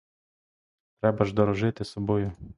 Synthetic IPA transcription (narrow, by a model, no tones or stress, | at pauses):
t̪ɾɛbɐʒd̪ɔɾɔʒɪt̪ʲɪsɐbojʊ